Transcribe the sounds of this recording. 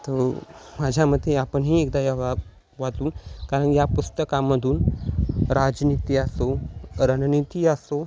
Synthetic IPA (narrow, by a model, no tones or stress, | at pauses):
t̪omad͡ʑʱjaməd̪ʱjeapəɳɦiːek̚d̪ajaʋa | ʋad͡z̪uːnkaɾəɳjapust̪əkaməd̪ʱuːn | ɾad͡ʑnit̪iəsoɾənnit̪iəso